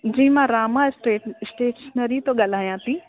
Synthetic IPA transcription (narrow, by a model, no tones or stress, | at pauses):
d͡ʑĩːmãɾaːmasʈeːʈsʈeːʈsnɐɾit̪oɠɐl̤aːjãːt̪ʰĩ